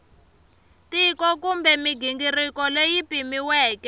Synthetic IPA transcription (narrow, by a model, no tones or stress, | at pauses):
tʼikɔk̬umbɛmiɡiŋɡirikɔlejipʼimiwɛːkɛ